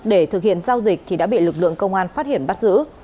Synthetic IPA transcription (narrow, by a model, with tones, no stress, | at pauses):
ɗe˧˩t̪ʰɨ˨˩k̚hḭ˧˨ənzaː˧wzi˨˩k̚t̪ʰi˨˩a̰ː˧˥ɓḭ˧˨lɨ˨˩k̚lɨ̰˧˨əŋkə˧wŋ͡mʔaː˧nfaː˦˥t̚hi˧˩ənɓa˦˥t̚zɨ̰˧˥